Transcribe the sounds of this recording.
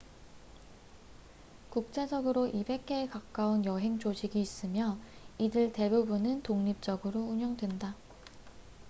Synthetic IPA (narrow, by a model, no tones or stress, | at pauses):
kuk̚t͡ɕ͈e̞d͡ʑʌɡɯɾoʔibe̞k̚k͈e̞ekak͈aunjʌɦe̞ŋt͡ɕod͡ʑiɡiːs͈ɯmjʌidɯɭte̞bubunɯntoŋɲip̚t͡ɕ͈ʌɡɯɾouɲʌŋdwenda